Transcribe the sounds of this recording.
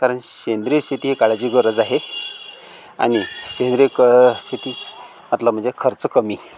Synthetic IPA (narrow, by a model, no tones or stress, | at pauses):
kaɾəɳɕend̪ɾest̪ʰit̪iːɦkaɭad͡ʑiːɡəɾəd͡zaɦe | a̰niɕẽnd̪ɾekst̪ʰit̪iː | mət̪ləm̤əɳd͡zekʰəɾt͡səkəmi